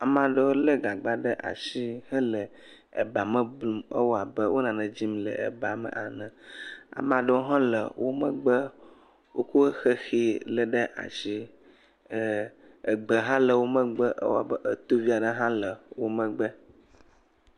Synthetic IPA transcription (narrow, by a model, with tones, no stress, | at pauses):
a˨mã˨ɖə˦wo˦lə˦ɡa˨ɡ͡ba˦ɖə˦ʔa̰˨ʃi˦hə˦lə˨ | ḛ˨ba˨mə̃˦blu˦mə̰˦wo˦a˨bə˦wo˦nã˨nɛ̃˨d͡ʑi˦mlə̰˨ḛ˨ba˨mə̰˨ʔa˨nɛ̃˨a̰˨mã˨ɖə˦wo˦ɦã˦lə̰˨wʔo˦mə̃˦ɡ͡bə˦ | wʔo˦ku˦xe˦xi˦lə˨ɖə˦ʔa̰˨ʃi˦˨ | ɡ͡bə˨ɦã˦lə˨wo˦mə̃˦ɡ͡bə˦ʔə̰˦wo̰˦a̰˨bə˦ʔə˦t̪o˦vi˦a˨ɖə˦ɦã˦lə˨wo˦mə̃˦ɡ͡bə˦